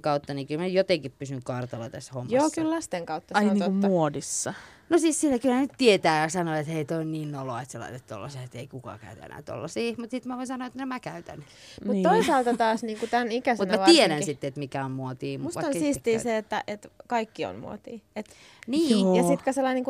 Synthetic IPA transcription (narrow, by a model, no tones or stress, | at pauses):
kɑut̪ːɑniːkylmæyjot̪eŋkippysyŋkɑrt̪ɑlɑ̰t̪æshomːjɑoːkyllɑst̪eŋkɑut̪ːɑsɑniːumːuodisːɑ | nosiːssilækylhænyt̪t̪iet̪æːjɑsɑnoet̪heit̪oinniːnnoloɑet̪selɑ̰it̪et̪t̪ːo̰lːɑsiːet̪eikukɑ̰ːkæ̰yt̪ḛnæ̰ːt̪o̰lːɑsiːmut̪sit̪mæʋoinsɑnoɑet̪nemækæyt̪æ̰n | mmut̪ːt̪oisɑːlt̪ɑt̪ɑːsniːŋkut̪ænikæsmutnmæʋt̪ieɾænsit̪ːeet̪mikæommuot̪iːmmust̪ɑnsiːst̪iːseet̪ːæʔet̪kɑikːio̰nmṵo̰t̪iːet̪ | niːjɑsit̪kɑselːɑiniŋku